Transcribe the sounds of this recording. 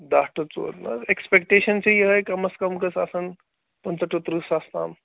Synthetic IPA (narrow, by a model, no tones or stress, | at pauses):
d̪aʈət͡soo̰t̪na̰ekspekʈeɕənt͡ɕejeɦajkəməskəmkəsasən | pəɳt̪əʈot̪ɾusast̪a̰m